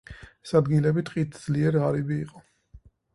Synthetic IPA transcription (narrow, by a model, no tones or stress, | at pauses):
ɛ̥sad̪ɡilɛbit̪ʼqʼit̪ʰd̪z̥liɛɾʁaɾibiːqʼɔ